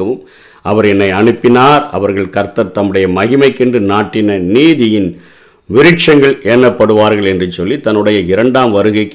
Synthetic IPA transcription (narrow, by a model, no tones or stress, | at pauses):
ɐʋɯm | ʔɐʋɐɾɛnːɐɪɐɳɯpːɪnaːɾɐ̰ʋɐɾɣɐɭkɐɾt̪ɐɾt̪ɐmːɯɽɐjɐmɐɣɪmɐɪkːɪndrɯnaːʈːɪnɐniːðɪjɪn | ʋɪɾɪʈt͡ʃɐŋɡɐɭʔeːnːɐpːɐɽɯʋaːɾɣɐɭɛndrɯsɔlːit̪ɐnːɯɽɐjɐɪɾɐɳɖaːmʋɐɾɯɣɐɪkː